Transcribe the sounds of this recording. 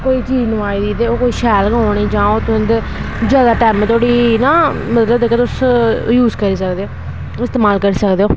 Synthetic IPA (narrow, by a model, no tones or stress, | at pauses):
koːiːt͡ʃiːd͡ʒnũːaːiːd̪iːd̪eːoːkoːiːʃɛːlɡɦoːɽiːd͡ʒãːoːt̪ʊɦənd̪ | d͡ʒaːd̪aːʈɛːm̃ːt̪ʰoːɽiːnãːmət̪ləbd̪eːket̪ʊsjuːzkəɾiːsəkd̪eːoː | ɪst̪eːmaːlkəɾiːsəkd̪eːoː